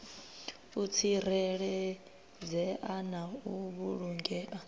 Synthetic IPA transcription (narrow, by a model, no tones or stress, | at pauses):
ut͡sʰirɛɺɛ | d͡zɛʔanauβuɺuŋɡɛʔa